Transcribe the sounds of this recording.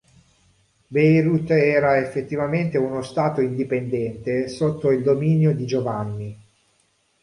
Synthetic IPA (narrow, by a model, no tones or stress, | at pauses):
bejɾut̪ːɛːɾaefːet̪ːivament̪eunost̪aːt̪oind̪ipend̪ɛnt̪esot̪ːoild̪ominjod̪id͡ʒovanːi